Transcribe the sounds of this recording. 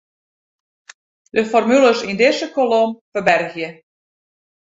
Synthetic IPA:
dəfɔrmyləsindɪsəkolomfərbɛrɣjə

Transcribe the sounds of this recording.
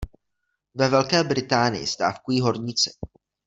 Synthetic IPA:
vɛvɛlkɛːbɾɪt̪aːnɪ̰jɪ̰st̪a̰ːfkujiːɦo̞ɾɲɪt͡sɪ̥

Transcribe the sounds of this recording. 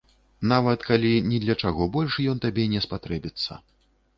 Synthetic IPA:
navɐt̪kalʲinʲɛd̪lʲɐt͡ʂaɣɔbɔlʲʂjɔnt̪abʲɛnʲɛspat̪ɾɛbʲit̪sːɐ̰

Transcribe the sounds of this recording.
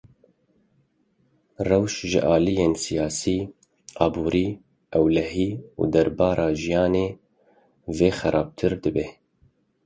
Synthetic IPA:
rɛwʃʒɨ̰ʔɑːlijeːnsijɑːsiː | ɑːbuːɾʔiː | ʔɛwlɛɦiːṵd̪ɛɾbɑːɾʔɑːʒijɑːneː | veːxɛɾʔɑːb̚t̪ʰɨɾd̪ɨbɛ

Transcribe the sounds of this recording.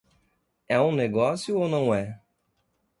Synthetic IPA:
ɛũneɡɔsjʊownɐ̃w̃ɛ

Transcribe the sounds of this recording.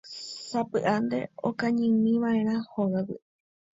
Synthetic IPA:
sapɨʔand̪e̞̰o̰kãɲɨ̃mĩʋãʔẽ̞ɾ̃ãhoɣawḭ

